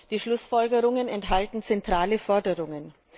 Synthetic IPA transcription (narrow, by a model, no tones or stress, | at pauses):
d̥iːʃlʊsfɔlɡəʁʊŋənɛnthɦaltn̩t͡sɛntʁ̥aːləfɔɐdəʁʊŋən